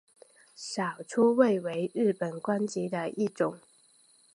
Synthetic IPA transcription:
ʂɑ˨˩ʊʈ͡ʂʰu˥we˥˨ɪwe˧˥ɪɻɻ̩˥˩pə˨˩nkwa˥nt͡ɕi˧˥d̪ə˧ʔi˥˩ʈ͡ʂʊ˨˩˦ŋ

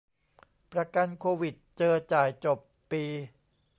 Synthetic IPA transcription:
pɾa˧ka˧nkʰoː˧wi˨˩t̪̚t͡ɕɤː˧t͡ɕaː˨˩jt͡ɕo˨˩pːiː˧

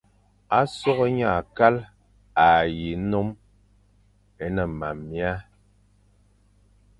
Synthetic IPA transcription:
a˦sɔ˦ɣɔ˦ɲa˦˨ka˦l | a˨ji˨˦no˦m | e˦nə˨ma˨mːja˦

